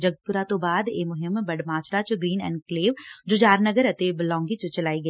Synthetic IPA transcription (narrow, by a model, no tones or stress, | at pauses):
d͡ʒɐɡət̪̚pʊɾat̪obaːd̪eːmʊɦɪmːbɐɽmaːt͡ʃɾat͡ʃɡɾiːnɛ̰ːɳɖkleːʋd͡ʒoːd͡ʒaːɾnɐɡəɾɐt̪eːblɔ̃ːŋɡit͡ʃət͡ʃɐlaːiɡɐ